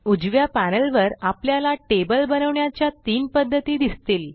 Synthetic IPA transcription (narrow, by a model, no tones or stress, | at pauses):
ud͡ʑʋjapænəlʋəɾapljalaʈebəlbənəʋɳjat͡ɕjat̪iːnpəd̪ʱːət̪iːd̪ist̪iːl